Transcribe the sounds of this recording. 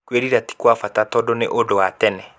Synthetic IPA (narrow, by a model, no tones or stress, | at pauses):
kweɾiɾati̥kwafatatɔdonḛʔodowatɛnɛ